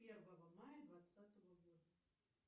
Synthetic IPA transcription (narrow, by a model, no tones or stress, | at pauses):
pʲɛrvɐɣɐmajɐd̪vat̪sat̪ɐɣɐɣɔd̪ɐ